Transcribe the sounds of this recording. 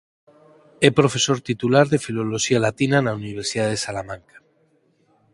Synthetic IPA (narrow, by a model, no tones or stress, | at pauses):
epɾo̞fe̞so̞ɾt̪it̪ulaɾðe̞filo̞loʃialat̪inanauniβ̞eɾsiðaðe̞salamãŋkḁ